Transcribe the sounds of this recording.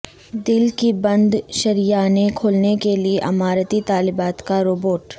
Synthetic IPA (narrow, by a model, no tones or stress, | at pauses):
d̪ɪlkibɐ̃nd̪ʃɐɾijaːnekʰoːlnekelieʔɐmaːɾət̪it̪aːlɪbaːt̪kaɾoːboːʈ